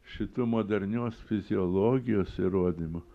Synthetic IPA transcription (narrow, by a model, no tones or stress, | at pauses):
ʃʲɪt̪umoːd̪ɐɾʲnʲoːsfʲɪzʲɪolˠoːɡʲɪjoːsiɾoɔd̪ʲimʊ